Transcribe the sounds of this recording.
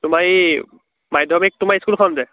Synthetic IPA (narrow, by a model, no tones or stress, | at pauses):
tʊmaj | majdʱɔmik̚tʊmajiskulkʰɔnzɛ